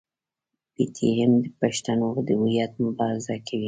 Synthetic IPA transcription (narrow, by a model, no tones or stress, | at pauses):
bit̪ʰiɪmd̪əpaʃt̪anod̪əwujat̪̚mʊbɑɾɪzakʰawi